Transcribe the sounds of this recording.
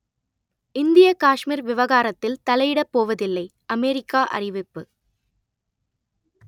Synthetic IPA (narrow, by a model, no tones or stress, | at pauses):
ɪnd̪ɪjɐkaːʂmiːɾʋɪʋɐɣaːɾɐt̪ːɪlt̪ɐlɐjɪɽɐpːoːʋɐðɪlːɐɪ | ɐmeːɾɪkːaːʔɐ̰rɪʋɪpːɯ